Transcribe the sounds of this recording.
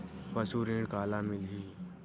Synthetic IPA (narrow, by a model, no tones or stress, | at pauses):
pɐsuːɾẽːɽ̃kaːlamɪlɦĩː